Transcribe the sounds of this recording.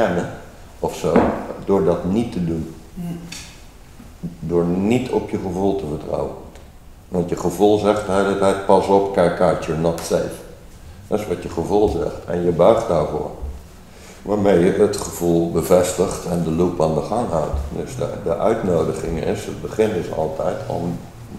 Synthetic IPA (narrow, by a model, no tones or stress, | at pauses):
kɛnə | ɔfsodʊːɹdɑtnitədun | dʊːɹnitʰɔpjəχəvulˠtəvəɹtrɔ̰wə̰n | ʋɑ̃ntjəχəvulˠzɛχtəɦejlətɛjt̚pɑsɔpkɛjkaɹtjənɔtsḛːf | dɔsʋɑtjəχəvulˠzɛ̰xtʰɛ̰njəbœɥχ̚daːɹvʊ̰ːɹ | ʋaːɹmejjəətχəv̥ulˠbəvɛstəχtɛndəlupaːndəχaŋɦa̰wtdəsdə̰dəʔœɥtnoːdəɣɪŋɪ̰sət̚bəχɪnɪsɑ̰lˠtʰɛjtʰɔ̰m